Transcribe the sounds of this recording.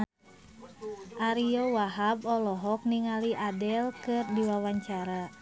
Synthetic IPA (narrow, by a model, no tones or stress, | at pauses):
ʔaɾijɔwaɦabɔlɔɦɔk̚niŋaliʔadɛlkɨrdiwawaɲt͡ʃaɾa